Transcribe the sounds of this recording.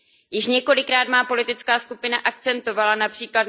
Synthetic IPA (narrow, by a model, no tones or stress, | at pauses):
jɪʃɲɛko̞lɪkɾaːt̪maːpo̞lɪt̪ɪt͡skaːskupɪnaʔak̚t͡sɛnt̪o̞valanapr̥iːklat̪